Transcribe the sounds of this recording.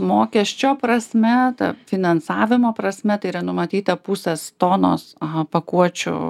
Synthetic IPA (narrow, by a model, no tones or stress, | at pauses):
moːkʲɛʃʲt͡ʃʲoːpɾɐsʲmʲɛt̪ɐ̰fʲɪnɐnsɑːʋʲɪmoːpɾɐsʲmʲɛt̪ɐɪiɾɐnʊmɐt̪ʲiːt̪ɐpʊsʲɛst̪oːno̰ːspɐkuɔt͡ʃʲʊ̰